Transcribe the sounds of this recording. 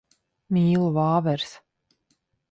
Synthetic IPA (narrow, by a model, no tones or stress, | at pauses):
mʲiːlˠuvaːvɛɾs